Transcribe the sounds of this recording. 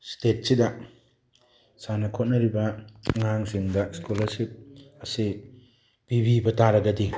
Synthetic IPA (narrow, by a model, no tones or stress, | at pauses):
stet̚sidɐ | sanɐkʰot̚nɐɾibɐŋaŋsiŋdɐskolɐɾsip̚ɐsi | b̥ibʱibɐtaɾɐɡɐdi